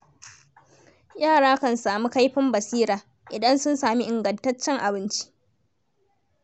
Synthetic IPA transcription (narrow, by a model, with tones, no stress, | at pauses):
jaː˦˨ɽaː˦kɐ˦˨nsaː˨mu˦ka˦jɸɪ˦mbɐ˨siː˦ɾaː˨ | ʔɪ˨dɐ˦nsʊ˦nsaː˨mi˦ʔɪ˨ŋɡɐ˨ntɐ˦t͡ʃːɛ˦ŋʔa˨bɪ˦nt͡ʃi̥˦ʔ